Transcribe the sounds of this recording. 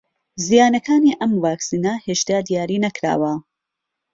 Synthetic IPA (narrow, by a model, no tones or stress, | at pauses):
zijaːnɐkʰaːniːʔɐmwaːksiːnɐheːʃt̪aːd̪ijaːɾiːnɐkɾa̰ːwɐ